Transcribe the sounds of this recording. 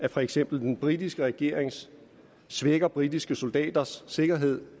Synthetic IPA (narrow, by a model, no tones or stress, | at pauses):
æfɒ̽eɡ̥sem̰b̥l̩d̥enb̥ʁid̥isɡ̥əʁɛɡ̥e̝ɐ̰eŋsː | ʋeɡ̥ɐb̥ʁid̥isɡ̥əso̝ld̥ɛ̰ːd̥ɐsːe̝ɡ̥ɐɦe̝ð̰ˠ